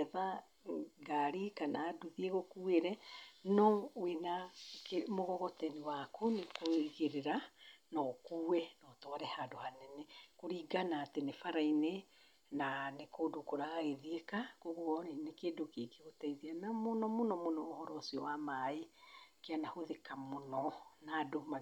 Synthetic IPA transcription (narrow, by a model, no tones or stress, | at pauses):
ɛða | ɡaɾikanaːduðieɣokueɾɛnɔwenakemoɣɔɣɔtɛniwakunekoiɣeɾeɾanɔkuːwɛnɔtɔaɾɛhadohanɛnɛkoɾiːɡanaːtenefaɾaine | nanekoːdokoɾaɣaɣeðiekakoɣoɔnenekedokekeɣotɛiðianamonɔmonɔmonɔohɔɾɔsiɔwamaekeanahoðekamonɔnadoma